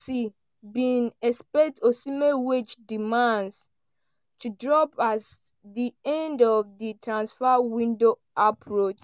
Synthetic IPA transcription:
si | bĩnɛspɛk̚tosimewet͡ʃdimãnds | tʰudɹɔpazdiɛ̃ndɔvðitɹãnsfawĩndo | apʰɹot͡ʃ

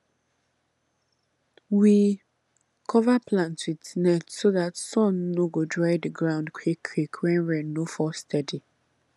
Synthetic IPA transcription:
wi | kʰɔvaplãntwidnɛtsoðatsɔ̃nːoɡodɹaɪdəɡɹãʊ̃ndkʰwikʰːwikʰwɛ̃nɹɛ̃nːofɔstʰɛdi

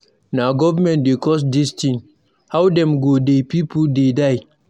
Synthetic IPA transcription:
naɡɔvəmɛ̃ntdekɔs̬distĩŋ | hawdɛ̃mɡodepipudedaɪ

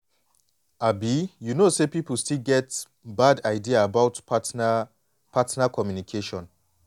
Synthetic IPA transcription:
abijunosepipəl̩stilɡɛt | badaɪdiaːbaʊt | pʰatnakʰɔmjunikʰeʃɔ̃n

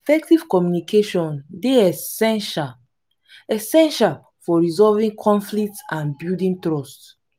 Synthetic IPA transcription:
efɛk̚tiv̥kɔmjunikʰeʃɔ̃ndeɛɛʃa | ɛsɛ̃nʃal | fɔɹizɔlvĩŋkʰɔ̃nflik̚tãnbuldĩntɹɔst

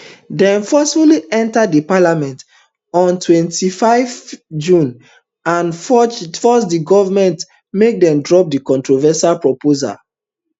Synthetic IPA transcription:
dɛ̃nfɔsfuliʔɛ̃ntadipalamɛ̃nt | ɔ̃ntʰwɛ̃ntifaɪvd͡ʒũn | ãnffɔsdiɡɔvamɛ̃nt | mek̚dɛ̃mdɹɔp̚dikɔ̃ntɹovɛsalpɹɔpoza̰l

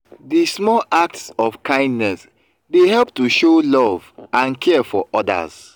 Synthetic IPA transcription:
dismɔlak̚tsɔfkʰãɪ̃ndnɛs | dehɛlp̚tuʃolɔvãnkʰɛfɔ̰ʔɔda̰z

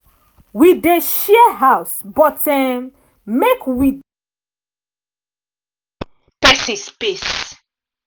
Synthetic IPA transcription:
wideʃiəɦaʊsbɔtɛ̃ | mekwi | pɛsĩnspes

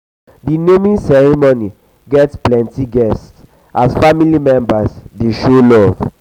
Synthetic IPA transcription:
dinemĩnsɛɹimoni | ɡɛtsplɛ̃ntiɡɛsts | ʔasfamilimɛ̃mbasdeʃolɔv̥

